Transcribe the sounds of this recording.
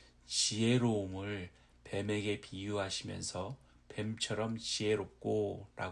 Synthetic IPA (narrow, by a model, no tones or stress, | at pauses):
t͡ɕieɾomɯɭ | pe̞me̞ɡe̞pijuɦaɕʰimjʌ̰nsʰʌ | pe̞mt͡ɕʰʌɾʌmt͡ɕie̞ɾop̚k͈oɾa̰